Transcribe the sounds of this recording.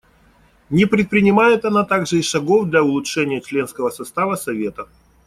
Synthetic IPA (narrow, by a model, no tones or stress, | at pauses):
nʲɪpɾʲɪt̪̚pɾʲɪnʲɪmajɪt̪ɐnat̪aɡʐɨiʂɐɡo̞vd̪lʲɐʊlˠʊtʂɛnʲɪjət͡ɕlʲe̞nskəvəsɐst̪avəsɐvʲe̞t̪ə